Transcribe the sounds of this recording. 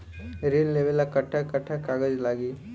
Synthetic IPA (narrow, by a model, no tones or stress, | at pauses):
ɾenleʋəlakəʈʰːakəʈʰːakaːɡəd͡ʒlaːɡiː